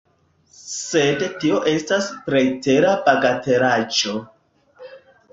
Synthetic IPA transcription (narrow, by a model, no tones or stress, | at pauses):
sedtio̞ʔe̞staspɾe̞jte̞ɾabaɡate̞ɾad͡ʒo̞